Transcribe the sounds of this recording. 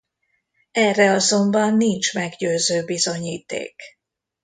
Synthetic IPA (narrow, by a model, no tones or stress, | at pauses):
ɛrːɛɒzo̞mbɒnːint͡ʃmɛɡɟøːzøːbizo̞ɲiːt̪ḛːk